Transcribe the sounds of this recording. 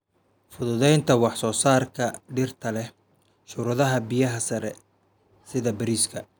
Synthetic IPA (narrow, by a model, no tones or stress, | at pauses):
fʊðʊðɛjnt̪ʰɐwɑħsɔːsaːrkʰɐɖɪrt̪ʰɐlɛ | ʃʊɾɐðɐɦɐbɪjɐɦɐsɐɾɛ | sɪðɐbɐɾiːskʰɐ